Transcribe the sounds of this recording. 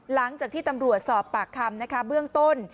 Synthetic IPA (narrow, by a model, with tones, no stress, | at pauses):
la˩˦ŋt͡ɕaː˨k̚t̪ʰiː˥˩t̪a˧mɾu˨˩ət̪̚sɔː˨˩pːaː˨˩kʰːa˧mna˦˥kʰa˦˥bɯ˥˩əŋt̪o˥˩n